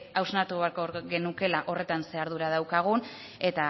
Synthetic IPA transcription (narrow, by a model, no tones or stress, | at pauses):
awznat̪uβaɾkoɾɣe̞nuke̞laʔo̞re̞t̪anse̞aɾðuɾað̞awkaɣ̞un | e̞t̪a